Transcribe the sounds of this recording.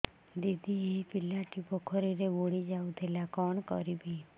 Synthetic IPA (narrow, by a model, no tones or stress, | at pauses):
d̪id̪iepilaʈipɔkʰɔɾiɾeboɽid͡ʒaut̪ʰelakɔɳkɔ̰ɾibi